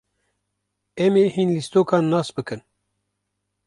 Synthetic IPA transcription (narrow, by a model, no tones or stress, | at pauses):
ɛmeːhiːnlist̪oːkʰɑːnːɑːsbɨkɨn